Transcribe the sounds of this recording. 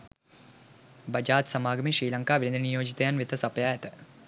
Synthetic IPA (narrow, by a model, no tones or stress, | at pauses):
bəd͡ʒaːt̪sɐmaːɡəmiʃɾiːlɐŋkaːʋinnd̪ənijoːd͡ʒit̪əjanʋit̪əsɐpəjaːɛt̪ə